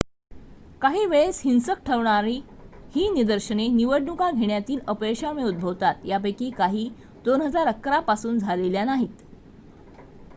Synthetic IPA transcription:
kaɦiːʋeɭeshinsək̚ʈʰəʋɳaɾi | hiːnid̪əɾɕəneniʋəɽnukaɡʱeɳjat̪iːləpeɕameud̪̚bʱəʋt̪at̪jabekiːkaɦiː | d̪onɦəd͡zaɾəkːɾapasuːnd͡zʱaleljanaɦiːt̪

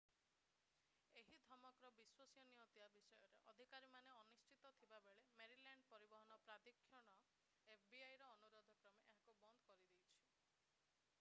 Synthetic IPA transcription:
eɦid̪ʱɔmɔkɾɔbiswɔsijɔniɔt̪iabisɔjɔɾḛʔɔd̪ʱikaɾimaneɔnist͡ʃit̪ɔt̪ʰibabeɭemeɾilaɳɖpɔɾibɔɦɔnɔpɾad̪ikʰːjɔɽ̃ɔ | epʰbiajɾɔːnuɾod̪ʱɔkɾɔmeʔeɦakubɔnd̪ɔkɔɾid̪ejt͡ʃʰi̥

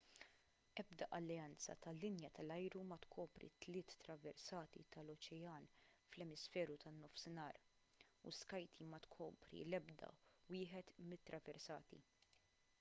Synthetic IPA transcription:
ʔɛbd̪ɐʔɐlːɛɐnt͡sɐ̰t̪ɐlːɪnjɐt̪ɐlɐjɾumɐt̪kʰɔːpɾḭt̪lɪːt̪ːɾɐvɛɾsɐːt̪ḭt̪ɐlɔt͡ʃɛjɐːnflɛmɪsfɛːɾut̪ɐnːɔfsɪnɐːɾ | ṵskɐjt̪ʰimɐt̪kʰɔːpɾḭlɛbd̪ɐ̰wɪːħɛt̪mɪt̪ːɾɐvɛɾsɐ̰ːt̪ḭ

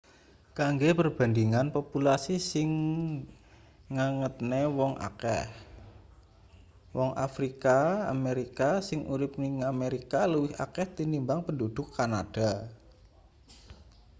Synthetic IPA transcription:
kaŋɡepərb̥a̤ndiŋanpopulasisɪŋ | aŋət̪̚newɔŋʔa̰kɛ̰h | wɔŋʔa̰fɾikaa̰meɾikasɪŋʔuɾɪp̚niŋameɾikaləwɪha̰kɛht̪inimbaŋpəndud̪̥ʊkːanad̥a

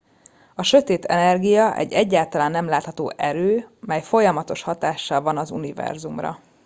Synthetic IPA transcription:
ɒʃøt̪eːt̪ʰɛ̰nɛrɡijɒʔɛ̰ɟːɛɟːaːlt̪ɒlaːnːɛmlaːt̪hɒt̪o̰ːʔɛɾøːmɛjfo̞jɒmɒt̪o̞ʃhɒt̪aːʃːɒlvɒnɒzṵnivɛ̰rzumrɒ̰

